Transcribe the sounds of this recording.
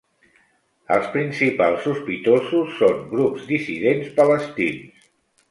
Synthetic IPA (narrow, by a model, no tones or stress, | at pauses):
ə̰lˠspɾinsipalˠsuspit̪ozusːoŋɡɾupzd̪isiðenspələst̪ins